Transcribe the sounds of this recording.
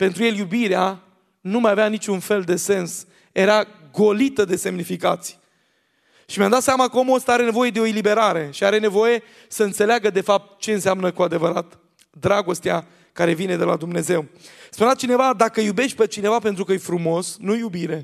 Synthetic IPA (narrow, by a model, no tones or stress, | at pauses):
pe̞nt̪ɾuje̞ljubiɾea | numajaveanit͡ʃʲunfe̞ld̪e̞se̞ns | e̞ɾa | ɡo̞lit̪əd̪e̞se̞mnifikat̪sʲj | ʃimjamd̪at̪seamakəo̞mooəst̪əaɾe̞ne̞vo̞je̞d̪e̞oelibe̞ɾaɾe̞ʃiaɾe̞ne̞vo̞je̞ | səɨnt̪se̞leaɡəd̪e̞fap̚t̪t͡ʃe̞ɨnseamnəkuad̪e̞vəɾat̪ | d̪ɾaɡo̞st̪ea | kaɾe̞vine̞d̪e̞lad̪umne̞ze̞wspunat̪t͡ʃine̞vad̪akəjube̞ʃt̪̚ʲpet͡ʃine̞vape̞nt̪ɾukəjefɾumo̞snujubiɾe̞